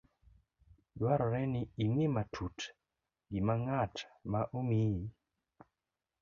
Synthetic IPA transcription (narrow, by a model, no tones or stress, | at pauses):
dwaɾɔɾɛnɪːŋwematʰut | ɡimaŋatmaʔomi